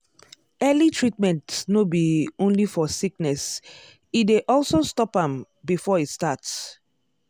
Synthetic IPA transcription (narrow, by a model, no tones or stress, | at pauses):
ɛlitʰɹit̚mɛ̃ntnobiõnlifɔsiknɛs | ideʔɔlsostɔpãm | bifɔitstats